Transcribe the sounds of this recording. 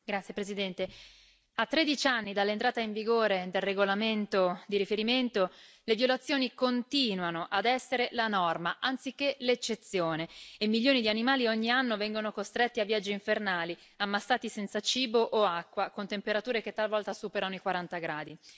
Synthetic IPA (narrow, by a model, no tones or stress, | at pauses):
ɡɾat̪sjepɾezid̪ɛnt̪e | at̪ːɾed̪it͡ʃanːid̪alːent̪ɾaːt̪aiɱviɡoːɾed̪elreɡolament̪od̪iɾifeɾiment̪o | levjolat̪sːjoːnikont̪iːnwanoʔad̪ɛsːeɾelanɔrmaʔant̪sik̟ːelet͡ʃːet̪sjoːneːmːilʎjoːnid̪ianimaːlioɲːianːovɛŋɡonokost̪ɾet̪ːiavːjad͡ʒːiiɱfernaːli | amːasːaːt̪isɛnt̪sat͡ʃiːboʔoakːwakont̪empeɾat̪uːɾek̟et̪ːalvɔlt̪asuːpeɾanoikwaɾant̪aɡɾaːd̪i